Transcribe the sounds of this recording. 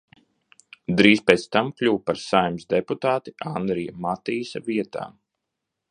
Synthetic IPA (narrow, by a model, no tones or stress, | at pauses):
d̪ɾiːspeːt̪st̪amklʲuwpaɾsajmsd̪eput̪aːt̪i̥ʔand̪ɾijamat̪iːsaviɛt̪a̰ːm